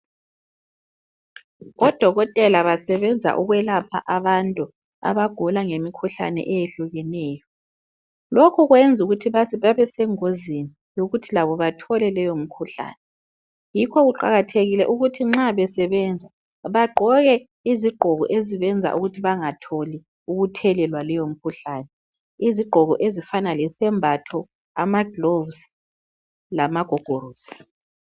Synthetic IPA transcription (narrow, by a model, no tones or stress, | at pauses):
ɣɔd̥ʱɔɣɔtʼɛlaβasɛβɛnd͡zʱa̰ʔuɣwɛlapʰa̰ʔaβantʼu | a̰βaɡ̥ʱɔlaŋemikʰuɬa̰nɛ̰ʔɛjeɬuɣɛnɛːjɔ | lokʰuɣwɛnd͡zʱuɣutʰiβaβaβɛsɛŋozini | joɣutʰilaβɔβatʰɔlɛlɛjom̩kʰuɬa̰ːnɛ | jikʰɔɣuǃa̰ɣatʰeɣilɛ̰ʔuɣutʰiŋ͡ǁaβɛsɛβɛnd͡zʱa | βaɡ͡ǃʱɔɣɛ | iziɡ͡ǃʱɔɣɔ̰ʔeziβɛnd͡zʱa̰ʔuɣutʰiβaŋatʰoli | uɣutʰɛlɛlwalɛjom̩kʰuɬaːnɛ | iziɡ͡ǃʱɔɣɔʔezifanalɛsɛmbʱatʰɔ | amaɡ̥lovs | lamaɡ̥ʱɔɡ̥ʱoɾuːsi̥